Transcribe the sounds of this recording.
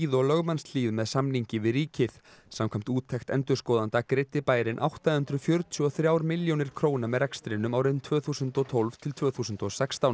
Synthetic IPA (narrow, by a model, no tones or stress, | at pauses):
iðɔlœɣmanst̪liːvmɛðsamniɲcɪvɪðriːcɪθsamkʰam̥t̪uːt̪ʰːɛxt̪ɛnt̪ʏɾ̥skɔːðant̪akɾɪt̪ːɪpaːjɾɪnʔa̰wht̪ahʏnt̪ɾʏfjœɾt̪ʰʏɔθɾjaːwɾmɪljownɪɾ̥kʰɾoːwnamɛðɾɛkst̪ɾɪnːʏmawɾɪnt̪ʰvœːθuːsʏnt̪ɔt̪ʰolv̥t̪ʰɪlt̪ʰvœːθuːsʏnt̪ɔsɛkst̪aw